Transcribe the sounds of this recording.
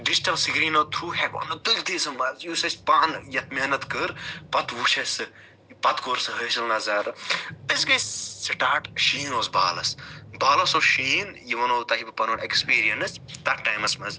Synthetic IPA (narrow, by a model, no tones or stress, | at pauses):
ɖisʈɐbsiɡɾiːnot̪ʰɾuːɦɛko̰nɨt̪ɨlt̪ʰisɐmɐzjuːsɐspaːnjɐt̪meːnɐt̪kɨɾpɐt̪uːʃɐsɨ | pɐt̪koːɾsɨɦəsɐlnɐzaːɾɨɨsɡɐjssɐʈaːʈʃiːnoːzbaːlɐsbaːlɐsoʃiːnjiʋɐnoːt̪ɐibɨpɐnonekspiːɾijɐnɨst̪ɐk̚ʈaːjmɐsmɐz